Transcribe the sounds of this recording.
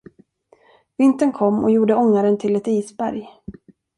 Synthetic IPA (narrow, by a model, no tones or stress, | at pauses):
vɪnt̪ənkʰɔmːɔ̰juːɖəɔŋːaɾənt̪ʰɪlɛt̪iːsbæɾj